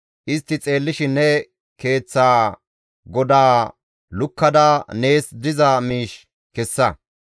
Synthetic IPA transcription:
ʔɪst̪ːɪt͡sʼe̞ːlːɪʃɪnːɛ | ke̞ːt͡sːaː | ɡɔd̪aː | lʊkːɐd̪ɐne̞ːsd̪ɪzɐmiːʃ | kɛsːɐ

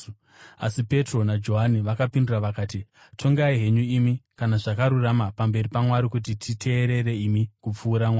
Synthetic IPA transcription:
a̰sipe̞tro̞nad͡ʒo̞ɦaniʋakapinduraʋakaːti | tʰo̞ŋɡaiɦe̞ɲuimikanaʐakaɾuramapambe̞ɾipamwaɾikut̬itʰitʰe̞ːɾe̞ɾe̞imikup͡fuːɾamwaː

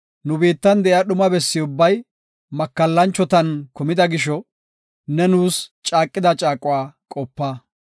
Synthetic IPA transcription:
nʊbiːt̪ːɐnd̪ɛʔjɐɗʊmɐbɛsːɪʊbːɐj | mɐkːɐlːɐnt͡ʃːɔt̪ɐnkʊmɪd̪ɐɡɪʃɔ | nɛnuːst͡ʃʼaːkʼːɪd̪ɐt͡ʃʼaːkʼʊwaːkʼɔpːɐ

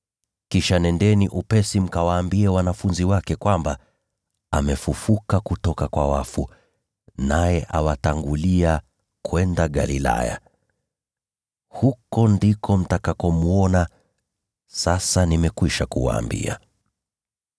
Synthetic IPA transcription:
kiʃanɛndɛniʔupɛsim̩kawaːmbiɛwanafunziwakɛkwamba | amɛfufukakutɔkakwa̰wafu | najɛʔawataŋɡulia | kwɛndaɠa̰lila̰ja̰ | hukɔndikʰɔm̩takakɔmuɔna | sasanimɛkwiʃakuwa̰ːmbḭa̰

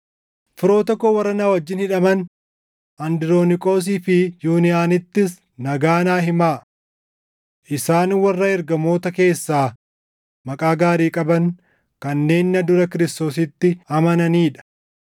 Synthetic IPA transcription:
fɪɾo̞ːt̪ɔkːowɐɾːɐnaːwɐd͡ʒːɪnhɪᶑɐmɐn | ʔɐnd̪ɪɾo̞ːnɪkʼo̞ːs̬iːfɪjuːnɪjaːnɪt̪ːɪs | nɐɡaːnaːɦɪmaː | ʔɪsaːnwɐrːɐɛɾɡɐmo̞ːt̪ɐke̞ːsːaː | mɐkʼaːɡaːɾiːkʼɐbɐŋ | kɐnːe̞ːnːɐd̪ʊɾɐkɪɾɪst̪o̞ːs̬ɪt̪ːɪɐmɐnɐniːᶑɐ̥

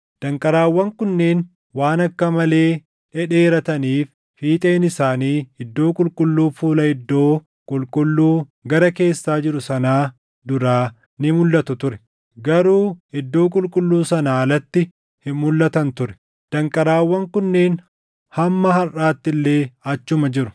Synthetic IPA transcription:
d̪̥ɐŋkʼɐɾaːwːɐŋkʊnːe̞ːn | waːnɐkːɐmɐle̞ː | ᶑɛᶑe̞ːɾɐt̪ɐniːf | hiːt̪ʼe̞ːnɪsaːniːɪd̪ːo̞ːkʼʊlkʼʊlːuːfuːlɐɪd̪ːo̞ː | kʼʊlkʼʊlːuːɡɐɾɐke̞ːsːaːd͡ʒɪɾʊsɐnaː | d̪ʊɾaː | nɪmʊlːɐt̪ʊt̪ʊɾɛ̥ | ɡɐɾuːɪd̪ːo̞ːkʼʊlkʼʊlːuːsɐnaːlɐt̪ːɪ | hɪmʊlːɐt̪ɐnt̪ʊɾɛ̥ | d̪̥ɐŋkʼɐɾaːwːɐŋkʊnːeːn | hɐmːɐɦɐraːt̪ːɪlːe̞ːɐt͡ʃːʊmɐd͡ʒɪɾʊ

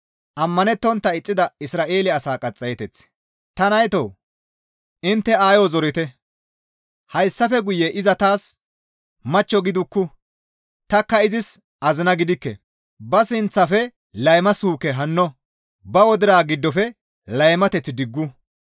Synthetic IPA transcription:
ʔɐmːɐnɛt̪ːɔnt̪ːɐɪt͡sʼːɪd̪ɐɪsɾaːʔe̞ːlɪɐsaːkʼɐt͡sʼːɐjɛt̪ɛt͡s | t̪ɐnɐjt̪o̰ː | ʔɪnt̪ːɛaːjɔzɔɾɪt̪ɛ | hɐjsːɐfɛɡʊjɛʔɪzɐt̪aːs | mɐt͡ʃːɔɡɪd̪ʊkːʊ | t̪ɐkːɐɪzɪs | ʔɐzɪnɐɡɪd̪ɪkːɛ̰ | bɐsɪnt͡sːɐfɛ | lɐjmɐsuːkɛɦɐnːɔ | bɐwɔd̪ɪɾaːɡɪd̪ːɔfɛ | lɐjmɐt̪ɛt͡sːɪd̪ɪɡːʊ

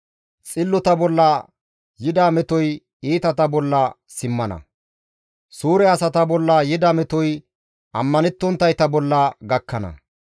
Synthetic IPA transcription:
t͡sʼɪlːɔt̪ɐbɔlːɐ | jɪd̪aːmɛt̪ɔj | iːt̪ɐt̪ɐbɔlːɐ | sɪmːɐnɐ̰ | suːɾɛɐsɐt̪ɐbɔlːɐjɪd̪aːmɛt̪ɔj | ʔɐmːɐnɛt̪ːɔnt̪ːɐjt̪ɐbɔlːɐɡɐkːɐnɐ̰

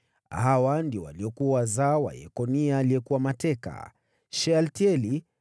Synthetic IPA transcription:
ɦawandiɔwa̰liɔkuawazawa̰jɛ̰kɔnialiɛkuwamatɛka̰ | ʃɛaltiɛli

